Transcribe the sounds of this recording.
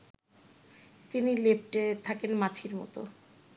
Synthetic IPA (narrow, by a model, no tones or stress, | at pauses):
t̪inilep̚ʈet̪ʰakenmat͡ɕʰiɾmɔ̰t̪o̰